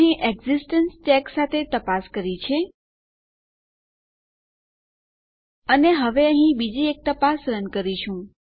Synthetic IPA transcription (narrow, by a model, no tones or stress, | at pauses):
ĩʔeɡzisʈənsʈɛksat̪ʰet̪əpaskəɾit͡ʃʰe | əneɦəʋeə̃ɦĩbid͡ʒiek̚t̪əpasɾənkəɾiʃũ